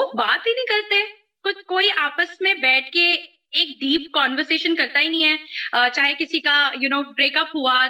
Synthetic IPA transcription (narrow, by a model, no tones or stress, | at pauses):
ʊbaːt̪ɦinɐɦĩkɐɾt̪e | kʊt͡ʃʰkoːiʔaːpəsmẽbɛːʈʰke | eːk̚d̪iːp̚kɔːnʋəɾseːʃənkɐɾt̪aɦinɐ̃ɦĩɦɛːət͡ʃaːɦekɪsikajʊnoːbɾeːkɐpɦua